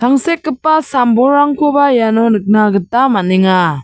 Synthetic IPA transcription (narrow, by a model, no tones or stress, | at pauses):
tʰaŋsekːɯpːasambɔɾaŋkʰɔbajanɔnɯk̚naɡɯtamaniŋa